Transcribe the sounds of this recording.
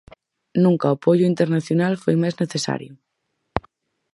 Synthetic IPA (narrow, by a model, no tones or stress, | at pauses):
nũŋkaoapoʎʊint̪eɾnaθjonalfojmajzneθesa̰ɾjʊ